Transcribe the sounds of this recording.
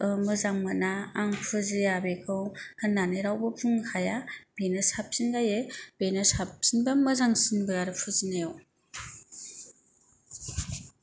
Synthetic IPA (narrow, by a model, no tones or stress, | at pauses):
ɯmɯzaŋmanaːŋpʰɯzɯjabekʰɯwhanːanɯɾawbɯpʰuŋhʰajab̥enɯsap̚sinɡajeb̥enɯsap̚sinbamɯzaŋsinbɯaɾɯpʰɯzinejo